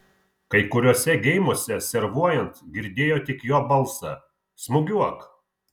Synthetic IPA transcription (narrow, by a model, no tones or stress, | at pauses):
kɐɪkʊɾʲoːsʲɛɡʲɛɪmoːsʲɛsʲɛɾʋuɔjɛnt̪ɡʲɪɾʲd̪ʲeːjoːt̪ʲɪkjoːbɐlˠˑsɐ | smʊɡʲuɔk